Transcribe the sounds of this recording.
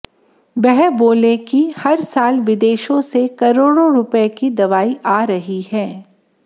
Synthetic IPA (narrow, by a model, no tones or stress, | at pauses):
bɛɦɛboːlekihɐɾsaːlʋɪd̪eːʃõsekɐɾoːɽõɾʊpəekid̪ɐʋaːiʔaːɾɐɦihɛ̃ː